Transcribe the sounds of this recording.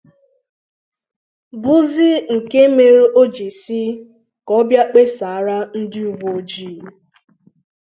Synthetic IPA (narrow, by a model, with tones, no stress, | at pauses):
bʊ˦zɪ˦ŋ̩˨ke˦me˨ɾe˦o˦d͡ʒi˨si˦ | kɔ˦bja˦k͡pe˦sa˨˦ɾa˦n̩˦dɪ˦u˦wo˨o˦d͡ʒiː˦˨